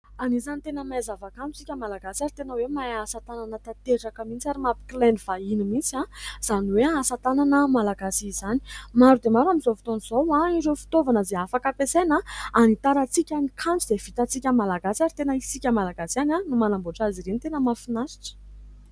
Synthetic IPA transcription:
anizanit̪enəmajzavakant͡su̥t͡sikʲəmalaɡasaɾit̪enəwemajasat̪ananət̪at̪eʈ͡ʂakəmit͡saɾimapi̥klanivainimit͡siãz̥aniweasat̪ananəmalaɡasizani̥maɾud̪emaɾamizofi̥t̪onizowaiɾewfi̥t̪ovanəzeafakapesenaanit̪aɾat͡sikʲanikʰant͡sud̪ev̥it̪at͡sikʲəmalaɡasaɾit̪enəisikʲəmalaɡasiananumanambuʈ͡ʂaziɾenit̪enəmafinasi̥ʈ͡ʂə̥

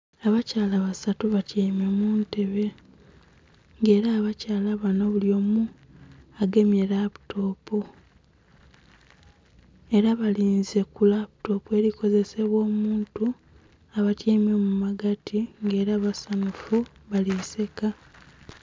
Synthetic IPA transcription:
aβacaːlaβasatuβacame̞muːnte̞βe̞ | ŋɡe̞ːɾaːβacaːlaβanoβuljo̞ːmu | aɡe̞mjeɾaβu̥tʰo̞ːpo | e̞ɾaβaliːnze̞kulaβuto̞pwe̞ɾiko̞ze̞se̞βwo̞ːmuːntu | aβatiːme̞mumaɡatʰiŋɡe̞ːɾaβasanufuβalise̞ka

